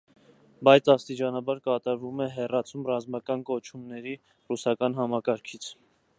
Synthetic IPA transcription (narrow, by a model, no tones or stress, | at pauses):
bɑjt͡sʰɑst̪it͡ʃɑnɑbɑɾkɑt̪ɑɾvumɛɦɛrɑt͡sʰumrɑzmɑkɑnkɔt͡ʃʰumnɛɾi | rusɑkɑnɦɑmɑkɑɾkʰit͡sʰ